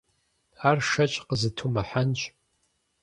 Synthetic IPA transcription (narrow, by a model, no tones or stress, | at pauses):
aːrʂɐt͡ʃʼqəzɨtʰumɐħant͡ʃʼ